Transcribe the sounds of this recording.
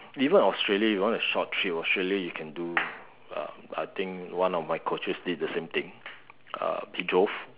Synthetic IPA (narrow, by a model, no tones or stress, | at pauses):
ivə̃nɔstɹeljaifiɔ̃nəʃɔtʰːɹiɔstɹeljajukʰɛ̃ndu | ʌ̰ | a̰jt̪ɪ̃ŋkwãnɔfmaɪkʰot͡ʃəsdid̚dəsẽmt̪ɪ̃ŋ | a̰bid͡ʒof